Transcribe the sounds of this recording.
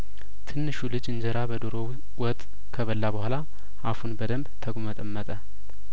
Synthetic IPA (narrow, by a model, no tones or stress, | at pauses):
t̪ʰɨnːɨʃulɨd͡ʒɨnd͡ʒəɾabəd̪oɾoβ | wɔt̪ʼ | kʰəβəlːabəhʷala | ʔafunbəd̪əmbt̪ʰəɡmət̪ʼəmːət̪ʼə